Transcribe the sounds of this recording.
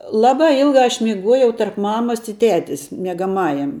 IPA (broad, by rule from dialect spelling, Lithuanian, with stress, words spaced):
ˈlˠɑːbɑː ˈɪlˠɡɑː ɐʃ mʲɪˈɡuɔjɛʊ tɐrp ˈmɑːmɐs ɪ ˈtʲæːtʲɪs mʲiɛɡɐˈmɑːjɛm